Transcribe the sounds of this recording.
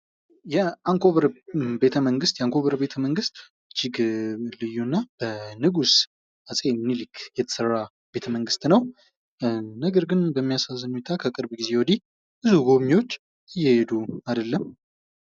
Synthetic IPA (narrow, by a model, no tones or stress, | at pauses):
jɛaŋkʰʼoβɾbe̞t̪ʰəməŋɡɨst̪jɛaŋkʰo̞βɾbe̞t̪ʰəməŋɡɨst̪ | t͡ʃːiɡɨlɨjːunːab̥ənɨɡus | asʼemnilɨkʰjɛt̪ʰə̥sərːa | be̞t̪ʰəməŋɡɨst̪nəw | nəɡəɾɡɨnbəmːijasazənut̪ʰakʰəkʼɨɾbɡize̞wɔd̪i | bɨzuɡo̞βɲiwo̞t͡ʃː | ɨjːɛhed̪uad̪əlːəm